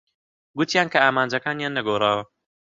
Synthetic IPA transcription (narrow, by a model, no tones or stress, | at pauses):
ɡʊt̪ijaːnkɐaːmaːnd͡ʒɐkaːnjaːnːɐɡoːrˤaːwɐ